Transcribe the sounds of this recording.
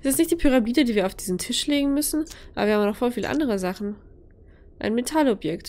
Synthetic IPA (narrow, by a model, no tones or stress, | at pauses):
ʔɛstɪstnɪçtd̥iːpʰyʁ̞amiːdədiːviːɐaʊfd̥iːzn̩tʰɪʃleːɡŋ̩mʏsn̩ʔa̰bɐviːɐhamnɔχfoːfiːlə̰ʔa̰ndəʁəzaχn̩ | ʔa̰ɪnmetʰalɔbjɛkt